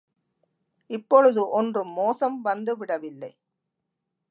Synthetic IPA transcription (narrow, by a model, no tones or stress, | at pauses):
ɪpːɔɻɯðɯʔɔndrɯmːoːsɐmʋɐnd̪ɯʋɪɽɐʋɪlːɐɪ